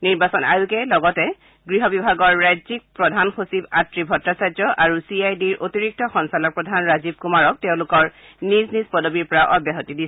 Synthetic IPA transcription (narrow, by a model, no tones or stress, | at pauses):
niɹbasɔna̰ɹukɛlɔɡɔtɛ | ɡɹiɦɔbibʱaɡɔɹːajzik̚pɹɔdʱanxosibatɹibʱɔtɹasad͡ʒɔʔaɹusiajdiɹotiɹik̚tɔxɔnsalɔk̚pɹɔdʱanɹazib̚kumaɹɔk̚teʊ̃lʊkɔɹ | niznizpɔdobiɹpɔɹaʔɔbjaɦotidisɛ